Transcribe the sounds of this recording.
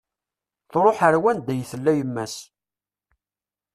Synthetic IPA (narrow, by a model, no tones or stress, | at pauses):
θɾˤoħəɾwænd̪æjθəlːæjəmːæs